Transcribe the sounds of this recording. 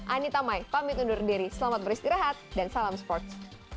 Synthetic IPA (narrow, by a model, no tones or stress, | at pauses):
ʔanit̪amajpamit̪undʊrdiɾisəlamat̪̚bəɾist̪iɾaɦat̪̚dansalamspɔrt̪̚s